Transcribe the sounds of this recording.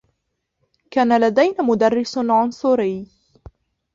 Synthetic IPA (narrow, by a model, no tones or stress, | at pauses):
kaːnalad̪ajnamʊd̪arːɪsʕʊnsˤʊɾɪː